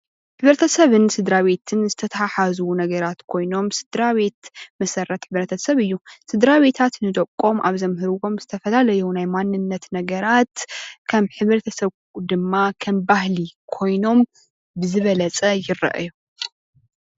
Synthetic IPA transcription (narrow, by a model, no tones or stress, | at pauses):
ħɨβɾt̪ʰɐsɐβɨnsɨd̪ɾaβe̞t̪ʰɨnzɨt̪ʰɐt̪ʰɐħaħazunɐɡɐɾat̪kʰo̞jno̞msɨd̪ɾaβe̞t̪mɐsɐɾɐt̪ħɨβɾɐt̪ʰɐsɐβɨjːusɨd̪ɾaβe̞t̪ʰat̪nɨd̪ɐkʼːo̞mʔa̰βzɐmɦɨɾwo̞mz̥ɨt̪ʰɐfɐlalɐjunajmanːɨnːɐt̪nɐɡɐɾat̪kʰɐmħɨβɾɐt̪ʰɐsɐβ | d̪ɨmːakʰɐmbahlikʰo̞jno̞m | bɨzɨβɐlɐt͡sʼɐjɪrɐ̰ʔju